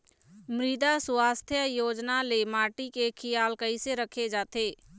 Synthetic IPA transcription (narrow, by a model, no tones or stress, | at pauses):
mɾɪd̪asʊaːst̪ʰjəjoːd͡ʒnalemaːʈikekʰɪjaːlkəɪseɾəkʰed͡ʒaːt̪eː